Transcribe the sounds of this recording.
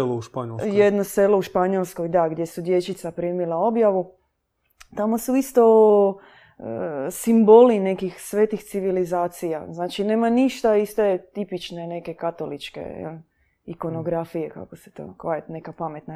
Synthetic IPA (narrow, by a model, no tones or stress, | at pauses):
louʃpaɲoljed̪noselo̞uʃpaɲolˠsko̞jd̪aɡd̪je̞sud̪je̞t͡ʃit̪sapɾimilˠao̞bjaʋu | t̪amo̞suist̪o̞ | simbo̞line̞kixsʋeːt̪ixt̪siʋilizaːt̪sija̰znaːt͡ʃine̞ːmaniʃt̪aist̪e̞t̪ipit͡ʃne̞ne̞ke̞kat̪o̞lit͡ʃkḛ | iko̞no̞ɡɾafije̞ka̰koset̪o̰kaet̪ne̞kapame̞t̪na